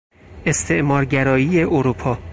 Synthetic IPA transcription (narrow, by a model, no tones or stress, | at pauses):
e̞st̪ʰe̞ʔmɒːɾɟæɾɒːjiːjeʔoɾuːpʰɒː